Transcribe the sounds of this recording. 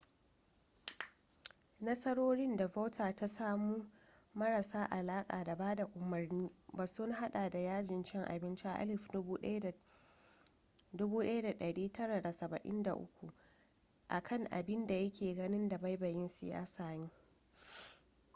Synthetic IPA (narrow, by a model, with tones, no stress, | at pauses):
nɐ˦sɐ˦ɽoː˦ɽɪ˦nda˨ɸa˦tʰaː˨ta˦saː˦muː˦ | mɐ˦ɾa˨saː˦ʔa˨laː˦kʼa̰ː˨da˨baː˦da˨ʔʷʼʊ˨mɐ˨rniː˦baː˨sʊ˦ŋɦa˦ɗaː˨da˨jaː˦d͡ʒɪ˨nt͡ʃɪ˦ŋʔa̰˨bɪ˦nt͡ʃi˦ʔa̰˦ʔa̰˦lɪ˦f | dʊ˦buː˦ɗɐ˦ja˦da˨ɗɐ˨ɽiː˦tɐ˦ɽa˨da˨sɐ˨bɐ̰˨ʔɪ̰˦nda˨ʔʊ̰˦kʷṵ˨ | ʔa˨kʰɐ˦˨ŋʔa̰˨bɪ˦nda˨jɐ˦kʲʰeː˨ɡɐ˦nɪ˦nda˨ba˦jbɐ˨jɪ˦nsɪ̰˨ja̰ː˦saː˨ɲiː˦